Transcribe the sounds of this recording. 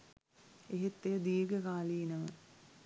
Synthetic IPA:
eɦet̪ːejəd̪iːɾɡəkaːlinəʋə

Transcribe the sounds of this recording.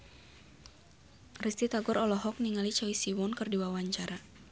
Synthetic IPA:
rist̪it̪aɡɔɾɔlɔɦɔk̚niŋalit͡ʃawisiwɔnkɨrdiwawaɲt͡ʃaɾa

